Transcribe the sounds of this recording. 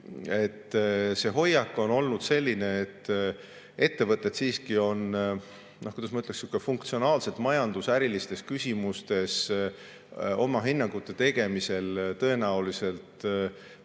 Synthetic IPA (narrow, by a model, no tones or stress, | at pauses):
e̞t̪ːse̞ɦo̞jːɑkːˑo̞no̞lnud̪̥se̞lʲːine̞ːt̪ːˑ | e̞t̪ːe̞vɤt̪ːˑe̞t̪siːskio̞n | nʔohkud̪ɑsmɑyt̪leksjukːˑefuŋk̚t̪sio̞nɑːlse̞lt̪ˑmɑjɑnd̪usæɾilist̪e̞skysʲimust̪e̞s | o̞mɑɦinːɑŋɡ̥ut̪ːˑe̞t̪e̞ɡ̥e̞mise̞lt̪ɤ̞e̞næulise̞lt̪